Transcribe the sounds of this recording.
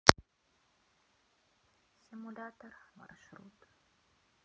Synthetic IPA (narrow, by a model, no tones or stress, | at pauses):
sɪmulaːt̪əɾma̰ɾʃɾuːt̪